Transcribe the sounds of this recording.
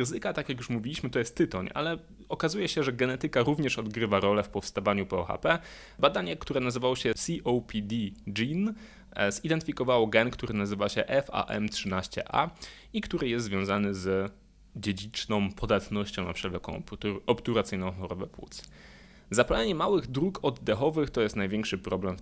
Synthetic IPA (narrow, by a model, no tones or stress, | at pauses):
ɾɪzɘkat̪akjakjuʂmuvʲilʲiɕmɘt̪ɔjɛst̪ːɘt̪ɔɲa̰lɛ | ɔkazujɛɕɛʐɛɡɛnɛt̪ɘkaɾuvɲɛʂɔd̪ɡɾɘvaɾɔlɛfpɔfst̪avaɲupɔɔxa̰pɛ | bad̪aɲɛkt̪uɾɛnazɘvawɔɕɛsiʔɔwpʲid̪ʲid͡ʒin | zid̪ɛnt̪ɘfʲikɔvawɔɡɛnkt̪uɾɘnazɘvaɕɛʔɛfa̰ʔɛ̰mtʂɘnaɕt͡ɕɛ̰ʔa̰ | ikt̪uɾɘjɛst̪zvʲjɔ̃w̃zanɘz | d͡ʑed͡ʑit͡ʂnɔ̃w̃pʰɔd̪at̪nɔɕt͡ɕɔ̃wna̰pʂɛvlɛkɔ̰̃w̃p̪uɔpt̪uɾat̪sɘjnɔ̃w̃xɔɾɔbɛpwṵt̪s | zapalɛɲɛmawɘɣd̪ɾukɔd̪ːɛxɔvɘxt̪ɔjɛst̪najvʲjɛŋkʂɘpɾɔblɛmf